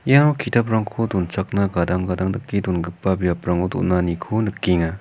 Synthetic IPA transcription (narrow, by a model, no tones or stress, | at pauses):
jakʰitapɾaŋkʰodunt͡ʃak̚naɡadaŋɡadaŋdɯkːidunɡɯpːabijapɾaŋodṵnːanikʰonɯkːiŋa